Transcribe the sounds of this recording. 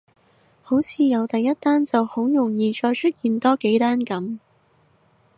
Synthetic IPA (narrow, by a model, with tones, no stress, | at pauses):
ho˨˥wt͡sʰiː˨jɐ˨˧wt̪ɐ˨jːɐ˥t̚t̪aː˥nt͡sɐ˨whʊ˨˥wjʊ˨˩ŋjiː˨t͡ʃɔː˧jt͡ʃʰɵ˥t̚jiː˨nt̪ɔː˥ke˨˥jt̪aː˥nkɐ˨˥m